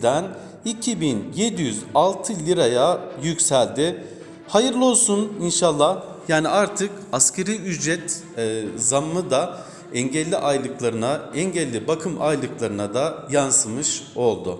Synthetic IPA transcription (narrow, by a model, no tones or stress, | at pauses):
d̪æn | icʰibinje̞d̪ijyzalˠt̪ʰɯlʲiɾajajycsælʲd̪ɪ | hajɯɾlˠo̞lˠsuninʃalˠːah | jaːniaɾt̪ʰɯkascʰeɾiyd͡ʒɾɛt̪ | zamːɯd̪a | ɛɲɟɛlʲːiʔajlˠɯklˠaɾɯnaɛɲɟɛlʲːibakʰɯmʔajlˠɯklˠaɾɯnad̪ajansɯmɯʃo̞lˠd̪ʊ